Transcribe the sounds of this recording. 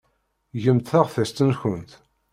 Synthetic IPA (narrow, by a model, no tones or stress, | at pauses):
ʝəmt̪θæʁfæst̪ənçənt̪